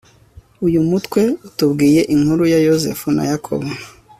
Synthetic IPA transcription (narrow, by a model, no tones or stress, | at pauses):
ujumutwe̞utubɡiːje̞ʔiŋhuɾujajozḛfuna̰jakʰo̰βo